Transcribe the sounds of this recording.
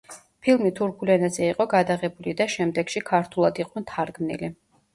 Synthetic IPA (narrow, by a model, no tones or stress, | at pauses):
pʰilˠmit̪ʰuɾkʰulɛnazɛiqʼɔɡad̪aʁɛbulid̪aʃɛmd̪ɛɡ̥ʃikʰaɾt̪ʰulˠad̪iq̪ʼɛnt̪ʰaɾɡmnḭli